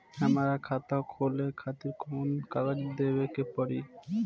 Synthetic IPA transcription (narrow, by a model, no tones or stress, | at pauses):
amaɾakʰat̪akholekʰat̪iɾkʰomonkaɡad͡ʑid̪ebekepɔɾi